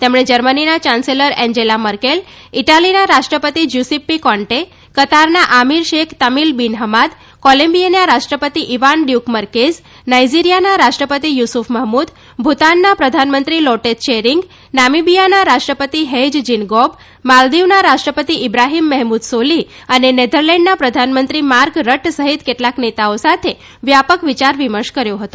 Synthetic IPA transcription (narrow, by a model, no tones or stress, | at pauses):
t̪emɳed͡ʒəɾməninat͡ɕanseləɾɛ̃ɲd͡ʒelaməɾkel | iʈalinaɾaʂʈɾəpət̪id͡ʒusipmikɔ̃ɳʈe | kət̪aɾnaʔamiɾʃekʰt̪əmilbinɦəmad̪ | kɔlə̃mbijenjaɾaʂʈɾəpət̪iʔiʋanɖjukməɾkez | najd͡ʑiɾijanaɾaʂʈɾəpət̪ijusufʰməɦmud̪ | bʱut̪anːapɾəd̪ʱanmənt̪ɾilɔʈet̪t͡ʃeɾiŋɡ | namibijanaɾaʃʈɾəpət̪iɦed͡ʒd͡ʒinɡɔb | mald̪iʋnaɾaʃʈɾəpət̪iɪbɾaɦimːɛɦmud̪soli | ənened̪ʱəɾlɛ̃ɳɖnapɾəd̪ʱanmənt̪ɾimaɾkɾəʈsəɦit̪keʈlaknet̪aosat̪ʰe | ʋjapəkʋit͡ʃaɾʋiməɾʃkəɾjoɦət̪õ̥